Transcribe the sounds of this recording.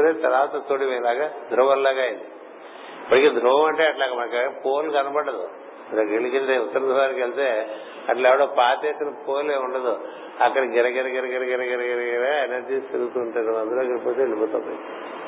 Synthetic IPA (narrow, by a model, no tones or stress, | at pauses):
ɾeːt̪ɐɾaːt̪ɐt̪oːɽimɐlaːɡad̪ɾuʋɐlaːɡaːjind̪i | ipːɐʈikeːd̪ɾuʋɐmɐɳʈeːɐʈlaːkːɐmɐnɐkɐpoːlɡɐnɐbɐɽːɐd̪ṵ | ɾɐkeɭikelt̪eut̪ːɐɾɐnd̪ʱɐʋaːɾkelit̪eː | ɐʈlɐɛʋɐɽoːpaːt̪eːt̪ɐnɐpoːleːuɳɖɐd̪u | ɐkːɐɽɐɡɛɾɐɡɛɾɐɡɛɾɐɡɛɾɐɡɛɾɐɡɛɾɐɡɛɾɐɡɛɾɐenɐɾd͡ʒiːst̪iɾuɡut̪uːɳʈuɐɐnd̪ɐɾoɡɐɾipoːt̪eɭibot̪ɐ̰pːɐii